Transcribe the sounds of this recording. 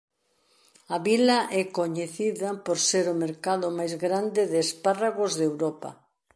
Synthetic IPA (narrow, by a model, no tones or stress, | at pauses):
ɐβilɐʔɛkoɲeθiðapoɾseɾʊmeɾkaðʊmajzɣɾand̪ɪðɪesparaɣozðewɾɔpɐ̰